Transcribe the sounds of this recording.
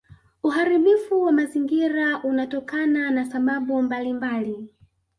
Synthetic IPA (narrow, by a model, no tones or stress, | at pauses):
uɦaɾiɓifuwamaziŋɡiɾaʔunatɔkananasaɓaɓumbalimbali